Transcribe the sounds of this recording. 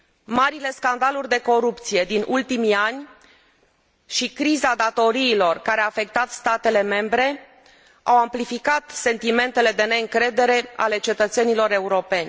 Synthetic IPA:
maɾile̞skand̪alurʲd̪e̞ko̞ɾupt̪sije̞d̪inʔult̪imianʲ | ʃikɾizad̪at̪o̞ɾiːlo̞rkaɾeaːfe̞k̚t̪at̪st̪at̪e̞le̞me̞mbɾe̞ | awamplifikat̪se̞nt̪ime̞nt̪e̞le̞d̪e̞ne̞ɨŋkɾe̞d̪e̞ɾe̞a̰le̞t͡ʃe̞t̪ət̪se̞nilo̞ɾe̞uɾo̞pe̞nʲ

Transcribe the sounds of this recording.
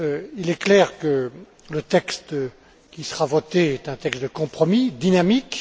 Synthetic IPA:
ilɛklɛːʁkə | lət̪ɛkst̪ | kʲisəʁavɔt̪eɛt̪ɛ̃t̪ɛkst̪̚d̪əkɔ̃pχɔmid̪inamik

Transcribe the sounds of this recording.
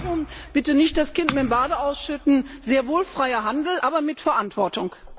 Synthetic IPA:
ʊmb̥ɪtənɪçt̚d̥askʰɪntmɪmbaːdəʔaʊsʃʏtn̩zeːɐvoːlfʁ̥aɪɐɦandl̩ʔaːbɐmɪtfɛɐʔantv̥ɔɐtʊŋk

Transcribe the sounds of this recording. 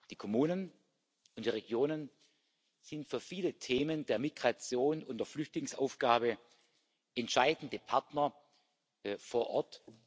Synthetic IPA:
d̥iːkʰomuːnən | ʊnd̥iːʁeɡjoːnən | z̥ɪntfyːɐfiːlətʰeːməndeːɐmiɡ̥ʁat͡sjoːnʊndeɐflʏçtlɪŋsa̰ʊfɡ̥aːbə | ʔɛntʃaɪdn̩dəpʰaɐtnɐ | foːɐʔɔɐt

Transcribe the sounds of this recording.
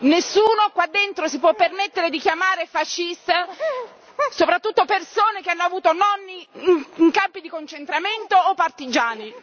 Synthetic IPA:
nesːuːnokwad̪ːent̪ɾosipwɔpːermet̪ːeɾed̪ik̟jamaːɾefaʃːist̪a | sopɾat̪ːut̪ːopersoːnekeanːoavuːt̪onɔnːiŋkampid̪ikont͡ʃent̪ɾament̪oːpːart̪id͡ʒaːni

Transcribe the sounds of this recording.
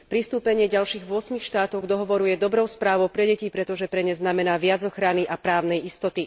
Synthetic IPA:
pɾist̪uːpɛɲɪɛɟalʃiːɣʋʊɔsmixʃt̪aːt̪ɔɡd̪ɔɦɔʋɔɾujɛd̪ɔbɾɔʊspɾaːʋɔʊpɾɛɟɛcipɾɛt̪ɔʒɛpɾɛɲɛznamɛnaːʋɪad͡zɔxɾaniʔapɾaːʊnɛjist̪ɔt̪i

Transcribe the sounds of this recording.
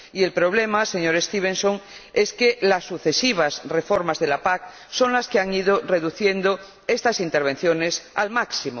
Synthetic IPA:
ie̞lpɾo̞β̞lemase̞ɲoɾest̪iβẽnsoŋe̞skelasːuθe̞siβ̞asrefo̞ɾmazðelapak̚ | so̞ŋlaskeaŋið̞oreðuθje̞nd̪o | est̪asint̪eɾβ̞e̞n̟θjonesalmaksimo

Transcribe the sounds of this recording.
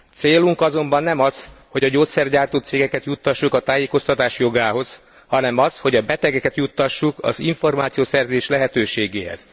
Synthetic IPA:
t̪seːluŋkɒzo̞mbɒnːɛmɒsho̞ɟɒɟoːt̪sɛrɟaːrt̪oːt̪seːɡɛkɛt̪jut̪ːɒʃːukɒt̪aːjeːko̞st̪ɒt̪aːʃjo̞ɡaːɦo̞z | hɒnɛmɒsho̞ɟɒbɛt̪ɛɡɛkɛt̪jut̪ːɒʃːukɒ̰ziɱfo̞rmaːt̪sijoːsɛrzeːʃlɛɦɛt̪øːʃeːɡeːɦɛ̰z̥

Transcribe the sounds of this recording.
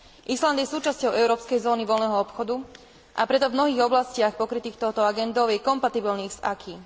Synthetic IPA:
ʔisland̪jɛsuːt͡ʃascɔʊʔɛʊɾɔːpskɛjzɔːniʋɔlnɛɦɔɔpxɔd̪u | ʔa̰pɾɛt̪ɔvmnɔɦiːɣɔblascɪaxpɔkɾit̪iːxt̪ɔʊt̪ɔaɡɛnd̪ɔʊjɛkɔmpat̪ibilniːɣz̥akʰiː

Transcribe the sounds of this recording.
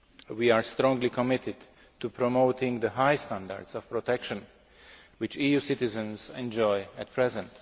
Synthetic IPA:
wiaɹstɾɔ̃ŋɡlikʰɔmɪtɪd | tupʰɹɔmoʊtɪ̃ŋðəɦajst̪ãnda̰ɹdsɔv̥pɹɔtʰɛkʃə̃n | wɪt͡ʃijusɪtɪzə̃nzɛ̃nd͡ʒɔjæt̚pʰɹɛzɛ̃nt

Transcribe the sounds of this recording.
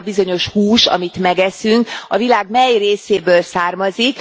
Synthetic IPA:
bizo̞ɲo̞ʃhuːʃɒ̰mit̪mɛɡɛsyŋkɒvilaːɡmɛjreːseːbøːlsaːrmɒzik

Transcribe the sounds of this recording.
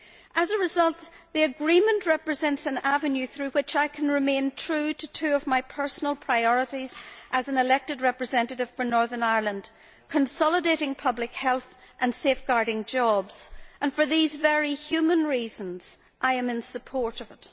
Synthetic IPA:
ʔəzəɹɨzʌlˠt̪̚ | ðiɨɡɹĩmə̃nʔɹɛpɹɨzɛ̃ntsɨ̃navɨ̃njʉθɹʉwɪt͡ʃaɪkʰə̃nɹɨmẽntʰɹ̥ʉɾɨtʰʉʌvmaɪpʰɜ˞sn̩əlˠpʰɹ̥aɪɔɹəɾiz̥ʔəzɨ̃nɨlɛk̚tɨd̚ɹɛpɹɨzɛ̃ntɨɾɨv̥fə˞nɔɹðə̃˞naɪə˞lˠə̃nd̥ | kʰə̃nsɑlˠədeɾɪ̃ŋpʰʌblɨkhɛlˠθ | ʔə̃nsefɡ̥aɹɾɪ̃ŋd͡ʒɔbz̥ʔə̃nfə˞ðizvɛɹihjʉmə̃nɹizə̃nz̥ | ʔaɪɨ̃mɨ̃nsəpʰɔɹɾʌvɪt

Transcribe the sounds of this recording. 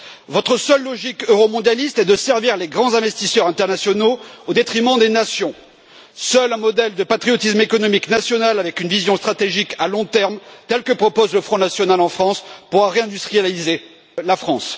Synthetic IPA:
vɔt̪χəsœlːɔʒikøʁɔmɔ̃d̪jalist̪ɛd̪əsɛʁviʁleɡʁɑ̃zɛ̃vɛst̪isœʁɛ̃t̪ɛʁnasjɔnood̪et̪χimɑ̃d̪enasjɔ̃ | sœlɛ̃mɔd̪ɛld̪əpat̪χijɔt̪ismekɔnɔmiknasjɔnalavɛkynvizjɔ̃st̪χat̪eʒikalɔ̃t̪ɛʁmt̪ɛlkəpχɔpozləfχɔ̃nasjɔnalɑ̃fχɑ̃spuʁaʁeɛ̃d̪yst̪χijalize | lafχɑ̃s

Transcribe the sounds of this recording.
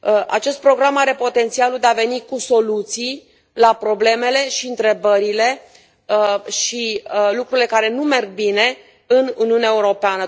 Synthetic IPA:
a̰t͡ʃe̞st̪̚pɾo̞ɡɾamaɾe̞po̞t̪e̞nt̪sialuld̪eave̞nikuso̞lut̪sij | lapɾo̞ble̞me̞le̞ʃiɨnt̪ɾe̞bəɾile̞ | ʃilukɾuɾile̞kaɾe̞nume̞rɡ̚bine̞ | ɨnuniuneaeuɾo̞peanə

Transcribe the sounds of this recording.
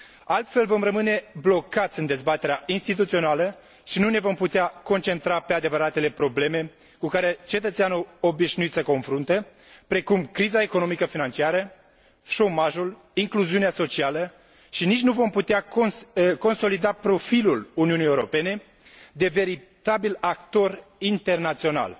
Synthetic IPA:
alt̪fe̞lvo̞mrəmɨne̞blo̞kat̪sʲɨnd̪e̞zbat̪e̞ɾeainst̪it̪̬ut̪sio̞nalə | ʃinune̞vo̞mput̪eako̞nt͡ʃe̞nt̪ɾape̞ad̪e̞vəɾat̪e̞le̞pɾo̞ble̞me̞ | kukaɾe̞t͡ʃe̞t̪ət̪sʲanuo̞biʃnuit̪səko̞nfɾunt̪ə | pɾe̞kumkɾizae̞ko̞no̞mikəfinant͡ʃiaɾə | ʃo̞maʒul | iŋkluziuneaso̞t͡ʃialə | ʃinit͡ʃʲnuvo̞mput̪ea | ko̞nso̞lid̪apɾo̞filuluniunijeuɾo̞pe̞ne̞ | d̪e̞ve̞ɾit̪abilak̚t̪o̞rint̪e̞rnat̪sio̞na̰l

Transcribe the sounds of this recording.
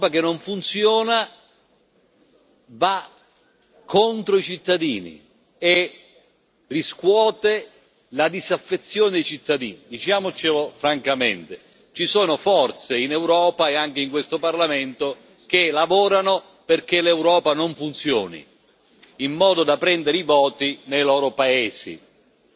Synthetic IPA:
pak̟enːoɱfunt̪sjɔːna | va | kʰːont̪ɾoit͡ʃit̪ːad̪iːnḭ | e | riskwɔːt̪e | lad̪izafːet̪sːjoːned̪ejt͡ʃit̪ːad̪ḭːnid̪it͡ʃaːmot͡ʃelofɾaŋkamḛnt̪e | t͡ʃisoːnofɔrt̪seinɛwɾɔːpaeaŋk̟eiŋkwest̪oparlament̪o | k̟elavɔːɾano | perk̟elɛwɾɔːpanoɱfunt̪sjɔːnḭ | imːɔːd̪od̪apːɾɛnd̪eɾivɔːt̪inejlɔːɾopaeːzḭ

